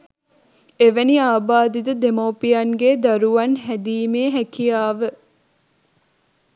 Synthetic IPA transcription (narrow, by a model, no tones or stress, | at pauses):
eʋæniaːbaːd̪id̪əd̪emowpijɐŋɡeːd̪aɾuɐnɦæd̪iːmeːɦækijaːʋə